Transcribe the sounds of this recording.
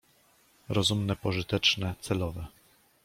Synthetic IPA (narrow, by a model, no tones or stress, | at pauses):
ɾɔzumnɛpɔʐɘt̪ɛt͡ʂnɛt̪sɛlɔvɛ